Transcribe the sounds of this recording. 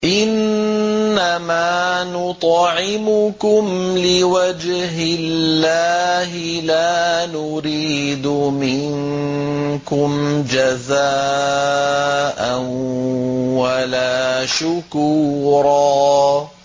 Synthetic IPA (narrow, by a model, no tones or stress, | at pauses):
ʔɪnː | amaːnʊt̪ˤʕɪmʊkʊmlɪwad͡ʒɦɪllːaːɦɪlaːnʊɾiːd̪ʊmɪŋ | kʊmd͡ʒazaː | ʔan | walaːʃʊkuːɾˤɑː